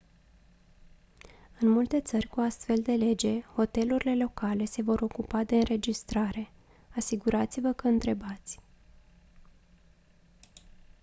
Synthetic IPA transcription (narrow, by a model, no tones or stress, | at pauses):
ɨnmult̪e̞t̪sərʲkuast̪fe̞ld̪e̞le̞d͡ʒe̞ho̞t̪e̞luɾile̞lo̞kale̞se̞vo̞ɾo̞kupad̪e̞ɨnɾe̞d͡ʒist̪ɾaɾe̞ | asiɡuɾat̪sivəkəɨnt̪ɾe̞bat̪sʲ